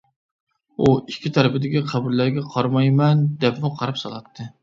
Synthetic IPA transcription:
uikʲʰːit̪ʰæɾɪpɪd̪ɪkʲiqʰɑbuɾlæɾɡʲɛqʰɑɾmɑjmɛnd̪ɛpmɪqʰɑɾɑpsɑ̰lˠɑt̪ʰːɨ

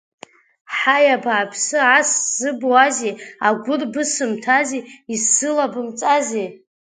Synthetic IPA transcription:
ħajabaːpʰsɨaszɨbuazeaɡʷʊrbɨsɨmtʰazeisɨlabɨmt͡sʼaze

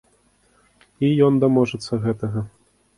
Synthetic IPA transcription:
ijɔnd̪ɐmɔʐɛt̪sːɐɣɛt̪ɐɣɐ

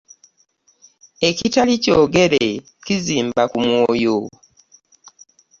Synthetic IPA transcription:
e̞citalicoːɡe̞ɾe | ciziːmbakumwoːjo

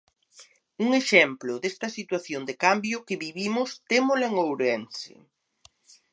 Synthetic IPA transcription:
uŋeʃɛmplʊðest̪ɐsit̪waθjond̪ɪkambjʊkɪβiβimʊst̪emoleŋowɾɛnsɪ̰

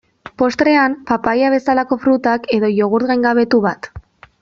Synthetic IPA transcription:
po̞st̪ɾe̞ampapajaβ̞e̞salako̞fɾut̪ake̞ðo̞ʝo̞ɣ̞uɾɣajŋɡaβ̞e̞t̪uβat̪

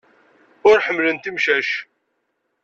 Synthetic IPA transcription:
ʊɾħəmːlənt̪imʃæʃ

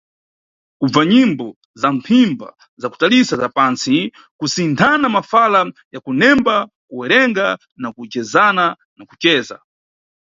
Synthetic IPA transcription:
kub͡vaɲimbɔ | zampʰimba̰ | zaku̥talisazapant͡si | kusintʰanamafalajakunɛmba | kuwɛɾɛŋɡa | nakut͡ʃɛzana | nakut͡ʃɛːza̰

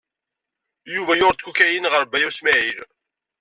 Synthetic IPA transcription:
juvæjʊɾˤt̪kukæjinʁəɾbæjæwsmæʕil

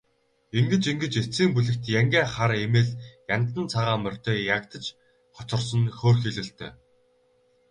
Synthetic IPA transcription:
iŋɡɘ̆t͡ɕiŋɡɘ̆t͡ɕet͡siːmpuɮɘ̆kt̪jæŋɡʲæːχaɾemeːɮjant̪ə̆nt͡sʰaʁaːmœr̥ʲt̪ʰeːjakt̪ə̆t͡ɕ | χɔt͡ɕɞ̆rsə̆nxoːrxeɮɘ̆ɬt̪ʰœ̰ː

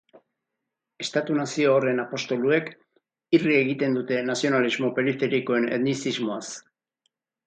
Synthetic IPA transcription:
e̞st̪at̪unasioːre̞napo̞st̪o̞lue̞k | irie̞ɣit̪e̞nd̪ut̪e̞nasio̞nalizmo̞pe̞ɾife̞ɾiko̞e̞ne̞ðnisizmo̞as

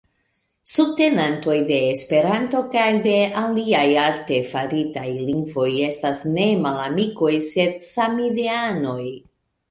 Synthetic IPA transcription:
sub̚te̞nanto̞jde̞ːspe̞ɾanto̞kajde̞aliajalte̞faɾitajliŋɡvo̞je̞stasne̞malamiko̞jse̞dsamideano̞j

